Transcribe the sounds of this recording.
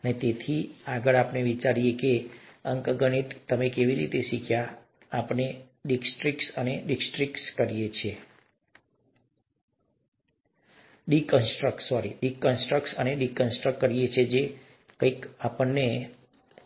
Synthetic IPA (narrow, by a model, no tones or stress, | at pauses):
ənet̪et̪ʰiaɡəɭapneʋit͡ʃaɾijekeəŋkɡəɽ̃it̪t̪ːəmekeʋiɾḭt̪eʃikʰja | apne | ɖiksʈɾikʈsəneɖiksʈɾikʈskəɾijet͡ʃʰe | ɖikənsʈɾəksɔɾiɖikənsʈɾəksəneɖikənsʈɾəkːəɾijet͡ʃʰed͡ʒe | kəikapənːe